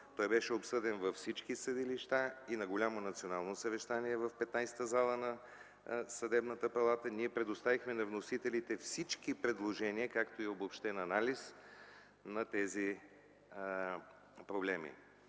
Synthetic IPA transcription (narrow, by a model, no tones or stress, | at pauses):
t̪ɔjbɛʃɛopsɤd̪ɛnvɐfsit͡ʃkisəd̪iliʃt̪ainɐɡolʲamonɐt̪sionalˠnosɐvɛʃt̪aniɛvəfpɛt̪najsɛ̥t̪əzalˠənɐ | sɐd̪ɛbnət̪əpɐlˠat̪əniɛpɾɛd̪ost̪avixmɛnɐvnosit̪ɛlit̪ɛfsit͡ʃkipɾɛd̪lˠoʒɛniəkakt̪oiobopʃt̪ɛnɐnalis | nɐt̪ɛzi | pɾoblɛmḭ